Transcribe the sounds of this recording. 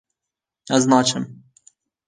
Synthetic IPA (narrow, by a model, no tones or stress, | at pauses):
ɛznɑːt͡ʃʰɨm